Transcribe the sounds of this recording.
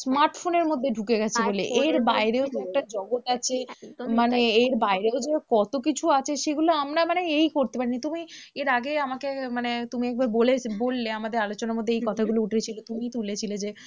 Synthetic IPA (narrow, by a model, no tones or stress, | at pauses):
smaɾʈfoneɾmod̪ʱːeɖʱukeɡɛt͡ɕʰeboleʔeɾbaeɾeod͡ʑɛk̚ʈad͡ʑɔɡot̪at͡ɕʰemaneeɾbaeɾeod͡ʑekɔt̪okit͡ɕʰuat͡ɕʰeʃeɡuloamɾamaneejkoɾt̪epaɾinit̪umieɾaɡeamakemanet̪umiɛk̚baɾbolebolːeamad̪eɾalot͡ɕonaɾmod̪ʱːeejkɔt̪ʰaɡulouʈʰet͡ɕʰilot̪umit̪ulet͡ɕʰiled͡ʑe